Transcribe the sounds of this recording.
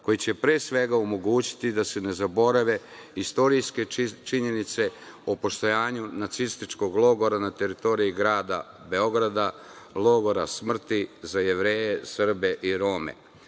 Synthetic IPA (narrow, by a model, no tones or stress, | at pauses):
ko̞jit͡ɕe̞pɾeːsʋe̞ɡaomo̞ɡuːt͡ɕi̥t̪id̪ase̞ne̞zabo̞ɾaʋe̞ | ist̪o̞ɾijske̞t͡ʃiɲe̞nit̪se̞opo̞ʃt̪o̞jaːɲunat̪sist̪it͡ʃko̞ɡlˠo̞ɡo̞ɾanat̪e̞ɾit̪o̞ɾiiɡɾaːd̪a̰ | be̞o̞ɡɾad̪alˠo̞ɡo̞ɾasmr̩t̪izaje̞ʋɾeːjesr̩be̞ʔiɾo̞ːmḛ